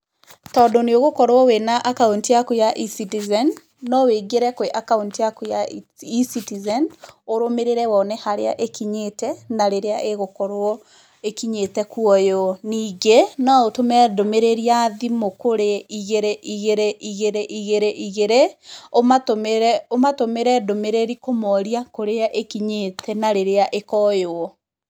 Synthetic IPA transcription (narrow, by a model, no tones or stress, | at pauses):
tɔdoneoɣokɔɾwɔwenaʔakauntijakujaʔisitizɛnː | ɔweɡeɾɛkoweʔakauntijakujaisitizɛnoɾomeɾeɾɛwɔnɛhaɾea̰ʔekiɲetɛnaɾeɾeaʔeɣokɔɾwɔ | ekiɲetɛkuɔjoniːɡenaotomɛdomeɾeɾiaðimokoɾeiɣeɾeʔiɣeɾeʔiɣeɾeʔiɣeɾeʔiɣeɾeomatomeɾɛomatomeɾɛdomeɾeɾikomɔɾiakoɾeaʔekiɲetʰɛnaɾeɾeaʔekɔjoɔ